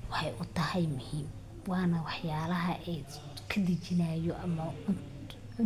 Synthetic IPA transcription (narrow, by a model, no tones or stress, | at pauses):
wɑħɑjʔʊt̪ʰɐhɛjmʊhiːm | wɑːnɐwɑħjaːlɐɦɐʔɛ | kʰɐd̪ɐt͡ʃɪnaːjɔʔɐmɐʊ | ʊ